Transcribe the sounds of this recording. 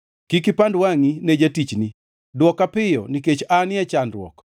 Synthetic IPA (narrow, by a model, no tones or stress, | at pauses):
kikɪpandwaŋined͡ʒatit͡ʃni | dwɔkapɪjɔ̰niket͡ʃanɪɛt͡ʃandwɔ̰k